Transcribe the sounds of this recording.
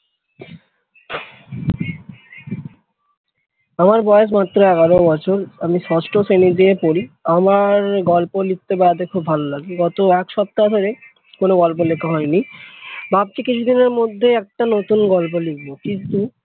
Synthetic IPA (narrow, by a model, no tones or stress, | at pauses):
amaɾbɔjeʃ̬mat̪ːɾoɛɡaɾobɔt͡ɕʰoɾamiʃɔsʈosenid̪iepoɾiamaɾɡɔlpolik̚t̪ebaad̪eɾkʰubʱalolaɡiɡɔt̪oɛkʃɔp̚t̪ad̪ʱoɾe | konoɡɔlp̬olekʰaɦɔenibab̚t͡ɕikit͡ɕʰud̪ineɾmod̪ʱːeɛk̚ʈanot̪unɡɔlpolik̚bokint̪u